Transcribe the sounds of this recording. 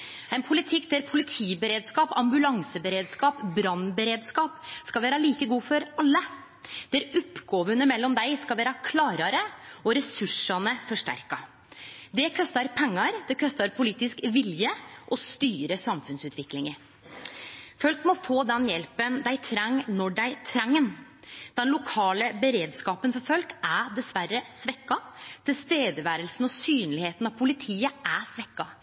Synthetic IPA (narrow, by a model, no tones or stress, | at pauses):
ɛɪnpʰʊlɪt̪ʰɪkːd̪æɾpʰʊlɪt̪ʰiːbəɾeːd̪skɑːpɑmbʉlɑŋsəbəɾeːd̪skɑːpbɾɑnbəɾeːd̪skɑːpskɑʋæːɾɑliːkəɡuːfɔɾɑlːə | d̪̥æɾɔpːɡoːʋənəmɛlːɔmd̪æɪskɑlʋæːɾɑkʰlɑːɾɑɾəɔɾɛsʉʂɑnəfɔʂʈæ̰ɾkɑ | d̪ɛkʰɔst̪ɑɾpʰɛŋːɑɾd̪ɛkʰɔst̪ɑɾpʰʊliːt̪ɪskʋɪljəʔɔst̪yːɾəsɑmfʉnsʉːt̪ʰʋɪklɪŋəɾ | fœlkmɔfoːd̪ɛnjɛlpənd̪æɪt̪ʰɾɛŋnɔɖæɪt̪ʰɾɛŋːənd̪ɛnlʊkʰɑːləbəɾeːd̪skɑːpənfɔɾfœlkæɖ̪ɛsʋæɾːəsʋɛkːɑt̪ʰɪlst̪eːd̪əʋæːɾəlsn̩ɔsyːnlɪheːt̪nɑʋpʰʊlɪt̪ʰiːəʔæsʋɛkːɑ